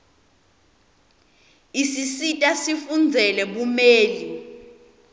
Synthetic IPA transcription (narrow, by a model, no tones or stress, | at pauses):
isisitʼasifund͡zʱɛlɛɓumeːli